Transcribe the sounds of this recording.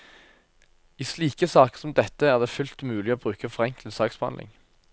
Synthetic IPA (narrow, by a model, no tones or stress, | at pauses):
iːsliːkəsɑːkəsɔmd̪ɛt̪əæːʁd̪eːfʉlt̪mʉːlɪoːbʁʉːkəfɔʁɛŋkl̩sɑːksb̥hɑ̰nɪ̰ŋ